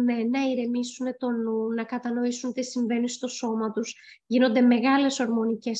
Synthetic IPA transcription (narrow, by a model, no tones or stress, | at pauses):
me̞nɐiɾemisune̞t̪o̞nunɐkɐt̪ɐno̞isunt̪isiɱve̞nist̪o̞so̞mɐt̪uz | ʝino̞nd̪eme̞ɣɐle̞so̞ɾmo̞nice̞s